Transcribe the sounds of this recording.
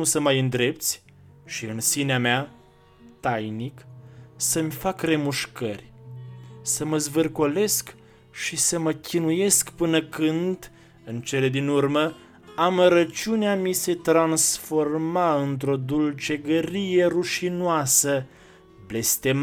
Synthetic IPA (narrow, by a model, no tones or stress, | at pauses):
usəmajɨnd̪ɾe̞p̚t̪sʲ | ʃiɨnsineamea | t̪ajniksəmʲfakre̞muʃkərʲ | səməzvɨrkole̞sk | ʃisəməkʲʰinuje̞skpɨnəkɨnd̪ | ɨnt͡ʃe̞le̞d̪inurmə | aməɾət͡ʃiuneamise̞t̪ɾansfo̞rmaɨnt̪ɾo̞d̪ult͡ʃe̞ɡəɾijeruʃinoasə | ble̞st̪em